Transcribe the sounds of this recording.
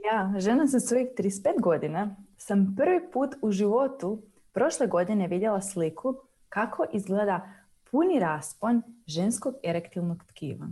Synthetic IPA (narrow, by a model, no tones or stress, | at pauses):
jaːʒe̞nasasʋo̞jixt̪ɾispeːt̪ɡo̞d̪inasampr̩ʋipuːt̪uʒiʋo̞t̪u | pɾo̞ʃleɡo̞d̪ine̞ʋid̪je̞lˠaslikʰu | kakʰo̞ʔizɡleːd̪a | pʰuniɾaːsponʒe̞nskoɡeɾekt̪ilnoɡt̪kḭːʋa̰ɲ